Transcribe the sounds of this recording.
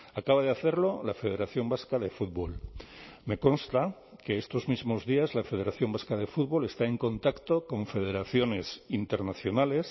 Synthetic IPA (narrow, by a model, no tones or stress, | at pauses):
akaβ̞að̞eaθe̞ɾlo̞lafe̞ð̞eɾaθjo̞mbaskaðe̞fud̪βolme̞ko̞nst̪a | ke̞est̪o̞zmizmo̞zðiazlafe̞ðe̞ɾaθjo̞mbaskaðe̞fuðβo̞le̞st̪ae̞ŋko̞nt̪akt̪okõ̞ɱfeð̞e̞ɾaθjo̞ne̞sint̪e̞ɾnaθjo̞nale̞s